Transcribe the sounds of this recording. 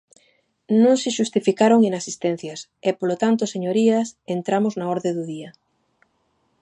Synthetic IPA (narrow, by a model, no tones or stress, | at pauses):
nõŋsɪʃust̪ifikaɾoŋeŋasist̪ẽn̟θjasepolot̪ant̪oseɲoɾiasent̪ɾamʊznaɔɾðeðuðiɐ